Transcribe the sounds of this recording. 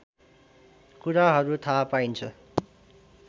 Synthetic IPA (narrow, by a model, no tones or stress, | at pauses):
kuɾaɦʌɾut̪ʰapaint͡sʰʌ